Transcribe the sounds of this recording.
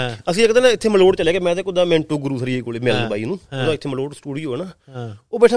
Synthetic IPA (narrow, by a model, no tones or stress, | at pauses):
əsĩːekəd̪eːnaɪt̪ʰːeːməloːʈt͡ʃəleːkemɛ̃ːt̪eːkʊd̪aːmɛ̃ːɳʈoːɡʊɾuːsəɾiːeɡoːleːmɛːlənbaːiːnũːod̪aːɪt̪ʰːeːməloːʈsʈuːɽiːɦoːeːnaːoːbɛːʈʰa